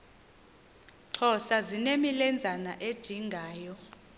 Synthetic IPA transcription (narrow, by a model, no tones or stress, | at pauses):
ǁʰɔsazinemilɛnd͡zʱana̰ʔed̥ʒ̥ʱiŋɡʱaːjɔ